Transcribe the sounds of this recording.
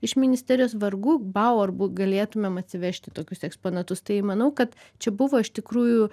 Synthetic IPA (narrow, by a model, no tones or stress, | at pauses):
ɪʃmʲɪnʲɪsʲt̪ʲɛɾʲɪjoːsʋɐrɡuːbɑʊɐrbuːɡɐlʲeːt̪ʊmʲeːmɐt̪ʲsʲɪʋʲɛʃʲt̪ʲɪt̪oːkʲʊsɛkspoːnɐt̪ʊst̪ɐɪmɐnɐʊkɐt̪ | t͡ʃʲɛbʊʋoːɪʃt̪ʲɪkɾuːju